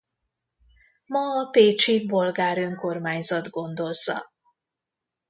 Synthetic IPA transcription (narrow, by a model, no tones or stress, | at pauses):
mɒɒpeːt͡ʃibo̞lɡaːɾø̞ŋko̞rmaːɲzɒd̪ɡo̞nd̪o̞lzɒ̰